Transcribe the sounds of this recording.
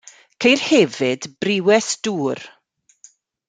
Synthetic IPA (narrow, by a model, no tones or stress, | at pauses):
kʰejrhɛvɪdbrɪwɛsd̥uːr